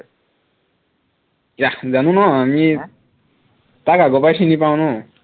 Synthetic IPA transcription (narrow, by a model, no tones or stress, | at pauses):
jad͡zanũnʌɦami | t̪akaɡopajsʰinipawnu